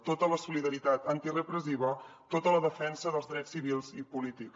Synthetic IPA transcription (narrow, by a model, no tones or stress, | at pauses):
t̪ot̪ələsuliðəɾit̪at̪ənt̪irəpɾəziβ̞ət̪ot̪ələðəfɛnsəðəlˠzðɾɛsːiβilˠzipulit̪iks